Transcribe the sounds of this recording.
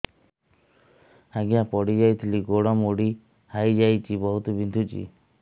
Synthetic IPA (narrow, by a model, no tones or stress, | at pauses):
aɡijapɔɽid͡ʒajt̪ʰiliɡoɽɔmoɽi | hajd͡ʒajt͡ʃʰibɔɦut̪ubind̪ʱut͡ʃḭ